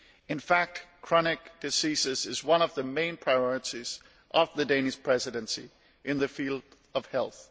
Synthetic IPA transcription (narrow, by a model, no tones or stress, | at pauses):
ɨ̃nfæk̚tkʰɹ̥ɑñɪk̚d̥ɨsisɨzɨzwʌ̃nʌvðɨmẽɪ̃npʰɹ̥aɪɔɹɨɾiz̥ | ʔʌvðɨdẽɪnɨspʰɹ̥ɛzɨɾɨ̃nsḭ | ʔɨ̃nðɨfilˠd | ʌv̥hɛlˠθ